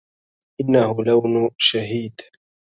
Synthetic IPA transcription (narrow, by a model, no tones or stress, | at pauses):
ʔɪnːahʊlawnʊʃaɦiːd̪̥